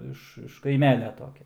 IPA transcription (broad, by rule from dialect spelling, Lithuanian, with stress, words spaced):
ˈɪʃ ɪʃ kɐɪˈmʲæːlʲɛ ˈtoːkʲɛ